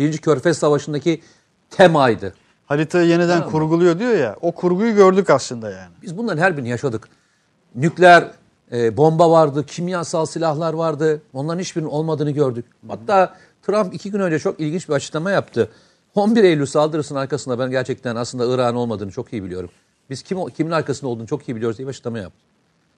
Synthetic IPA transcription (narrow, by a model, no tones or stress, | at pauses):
biɾind͡ʒicʰø̞ɾfɛsːavaʃɯnd̪acʰi | t̪ʰɛmajd̪ɯ | haɾit̪ʰaje̞nid̪ænkʰuɾɡulˠujo̞d̪ijo̞jaʔo̞kʰuɾɡujuɟø̞ɾd̪ycaslˠɯnd̪ajaːnɪbizbunlˠaɾɯnɦæɾbiɾnijaʃad̪ɯk | nyclʲæɾ | ɛːbo̞mbavaɾd̪ɯcʰimjasalˠsilʲahlˠaɾvaɾd̪ɯo̞nlˠaɾnit͡ʃbiɾino̞lˠmad̪ɯːnɯɟø̞ɾd̪yc̚ | hat̪ːaː | t̪ʰɾampicʰiɟynø̞nd͡ʒɛt͡ʃʰo̞kilʲɟint͡ʃbiat͡ʃʰɯ̥klˠamajapt̪ʰɯ | o̞nbiɾejlʲyɾsalˠd̪ɯɾɯsɯnaɾkasɯnd̪abænɟæɾt͡ʃʰɛc̚t̪ʰænaslˠɯnd̪aɯɾaːnɯo̞lˠmad̪ɯːnɯt͡ʃʰo̞kijibilʲijo̞ɾum | biz̥cʰimcʰiminaɾkʰasɯnd̪aolˠd̪uːnt͡ʃʰo̞kijibilʲijo̞ɾzd̪ijɛbiat͡ʃɯ̥k̪lˠamaja̰p̚t̪ʰɯ̥